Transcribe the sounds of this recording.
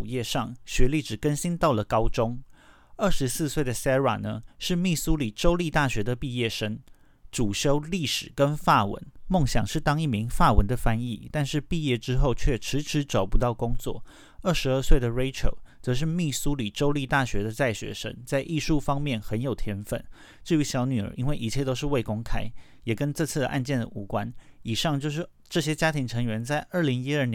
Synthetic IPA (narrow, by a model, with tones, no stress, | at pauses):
jɛ˥˧ʂɑ˥˩ŋɕɥɛ˧˥li˥˩ʈ͡ʂɻ̩˨˩kə˥nɕi˥nt̪ɑ˥˩ʊlə˩kɑ˥ʊʈ͡ʂʊ˥ŋ | ə˥˩ʂɻ̩˧˥sɹ̩˥˧swe˥˩ɪd̪ə˩sa˥wa̰˨˩nə˦ʂɻ̩˥˧mi˥˩su˥li˨˩ʈ͡ʂo˥ʊli˥˧t̪a˥˩ɕɥɛ˧˥d̪ə˨pi˥˧jɛ˥˩ʂə˥n | ʈ͡ʂu˨˩ɕjo˥ʊli˥˩ʂɻ̩˨˩kə˦nfa˥˩wə̰˧˥nmo˥˩ŋɕjɑ̰˨˩ŋʂɻ̩˥˩t̪ɑ˥ŋi˥˩mi˧˥ŋfa˥˩wə̰˧˦nd̪ə˨fa˥nḭ˥˧t̪a˥˧nʂɻ̩˥˧pi˥˧jɛ˥˩ʈ͡ʂɻ̩˥xo˥˧ʊt͡ɕʰɥɛ˥˩ʈ͡ʂʰɻ̩˧˥ʈ͡ʂʰɻ̩˧˥ʈ͡ʂo˨˩ʊpu˧˥t̪ɑ˥˩ʊkʊ˥ŋt͡swɔ̰˥˩ | ə˞˥˩ʂɻ̩˧˥ə˞˥˧swe˥˩ɪd̪ə˩ɹe˥ɪʈ͡ʂʰo̰˨˩ʊt͡sɤ˧˥ʂ̬ɻ̩˥˧mi˥˩su˥li˨˩ʈ͡ʂo˥ʊli˥˧t̪a˥˩ɕɥɛ˧˥d̪ə˨t͡sa˥˩ɪɕɥɛ̰˧˥ʂə̰˥ŋt͡sa˥˧ɪʔi˥˧ʂu˥˩fɑ˥ŋmjɛ˥˩nxə˧˥njo˨˩ʊt̪ʰjɛ˥nfə˥˩n | ʈ͡ʂɻ̩˥˩y˧˥ɕjɑ˧˥ʊny˨˩ə̰˧˥ʔi˥nwe˥˩ɪʔi˧˩t͡ɕʰjɛ˥˩t̪o˥ʊʂ̬ɻ̩˥˧we˥˩ɪkʊ˥ŋkʰa˥ɪ | jɛ˨˩kə˥nʈ͡ʂɤ˥˧t͡sʰɹ̩˥˩d̪ə̰˩ʔa˥˧nt͡ɕjɛ˥˩nd̪ə̰˩ʔu˧˥kwa˦n | i˨˩ʂɑ˥˧ŋt͡ɕjo˥˧ʊʂ̬ɻ̩˥˩ | ʈ͡ʂɤ˥˩ɕjɛ˥t͡ɕja˥t̪ʰi˧˥ŋʈ͡ʂʰɤ˧˥ŋɥɛ˧˥nt͡sa˥˧ɪʔə˞˥˩li˧˥ŋi˥ə˞˥˩n